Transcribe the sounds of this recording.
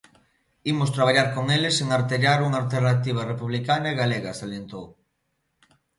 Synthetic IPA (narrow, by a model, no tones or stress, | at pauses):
imost̪ɾaβ̞aʎaɾkoŋeleseŋaɾt̪eʎaɾuŋalt̪eɾnat̪iβ̞arepuβ̞likanaeɣaleɣasaljent̪ow